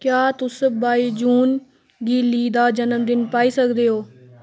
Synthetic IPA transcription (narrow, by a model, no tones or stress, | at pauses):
kjaːt̪ʊsbaːiːd͡ʒuːn | ɡiːliːd̪aːd͡ʒənəmd̪ɪnpaːiːsəkd̪eːɦoː